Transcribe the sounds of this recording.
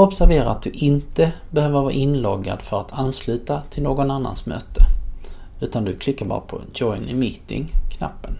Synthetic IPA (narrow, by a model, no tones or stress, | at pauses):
ɔpsæɾveːɾaat̪̚d̪ɵʔɪnt̪əbɛhøːvəɾvɑːɾʔɪnlɔɡːa̰d̪fœɾat̪ʰanslʉ̟ːt̪at̪ʰɪlnoːɡɔnanːa̰nsmø̰ːt̪ʰə | ʉ̟ːt̪and̪ɵkʰlɪkːaɾbɑ̰ːɾapʰɔ̰d͡ʒɔɪnɪmiːt̪ɪ̰ŋkʰna̰pːən